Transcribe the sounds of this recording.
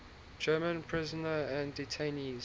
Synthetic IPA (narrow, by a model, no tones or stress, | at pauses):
d͡ʒɜːmə̃npʰɹ̥ɪzənəæ̃nditʰẽniz